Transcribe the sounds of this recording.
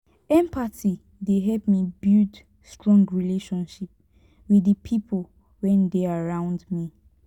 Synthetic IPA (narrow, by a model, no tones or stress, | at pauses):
ɛ̃mpati | deɦɛlpmibild | stɹɔ̃ŋɡɹileʃɔ̃nʃip̚ | wiəpʰipʰol | wɛ̃ndeaɹãʊ̃ndmi